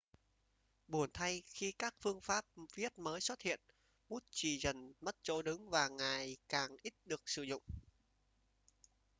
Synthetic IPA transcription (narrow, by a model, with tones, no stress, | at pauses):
ɓu˧˩ənt̪ʰa˧jxi˧kaː˦˥k̚fɨ˧əŋfaː˦˥p̚vi˦˥ət̚məː˨˦jswo˦˥t̚hḭ˧˨ən | mu˦˥t̚t͡ɕi˨˩zə˨˩nmə˦˥t̚t͡ɕo˨˦ɗɨ˨˦ŋvaː˨˩ŋaː˨˩jkaː˨˩ŋʔi˦˥t̚ɗɨ˨˩ək̚sɨ˧˩zʊ̰˧˨ŋ͡m